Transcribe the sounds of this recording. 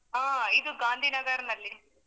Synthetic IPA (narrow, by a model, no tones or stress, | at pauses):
aːid̪uɡaːnd̪ʱiːnɐɡaːɾɐnɐlːi